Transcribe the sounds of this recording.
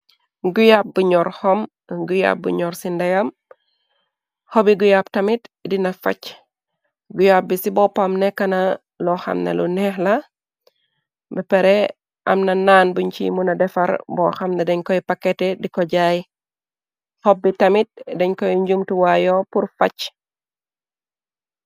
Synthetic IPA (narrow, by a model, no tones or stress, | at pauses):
ɡujap̚buɲɔɾhɔm | ɡuja̰p̚bṵɲɔɾsindɐjɐm | hɔbiɡujaptɐmitdinɐfɐ̰c | ɡujap̚bisibɔpamnɛkːɐnɐ | lɔxɐ̰mnḛlṵnɛxlɐ | bɛpɛɾɛ | ʔɐ̰mnɐnaːnbuɲt͡ʃḭmunɐdɛfɐɾbɔxɐmnɛdɛɲkɔjpakɛtɛdikɔɟaːj | hɔbːitɐmit̚dɛɲkɔjɲɟumtuwajɔpuɾfɐ̰c